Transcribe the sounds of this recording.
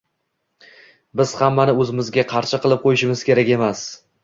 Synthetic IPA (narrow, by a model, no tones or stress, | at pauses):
bɪz̥hamːanɪɵzɪmɪzɡʲaqʰɑɾʃɪqɨlˠɪp̚qʰojɪʃɪmɪz̥kʲe̞ɾakʲe̞mas